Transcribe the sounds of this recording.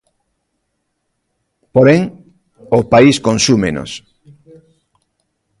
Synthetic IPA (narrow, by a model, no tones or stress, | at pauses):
poɾeŋ | opaiskõnsumeno̰s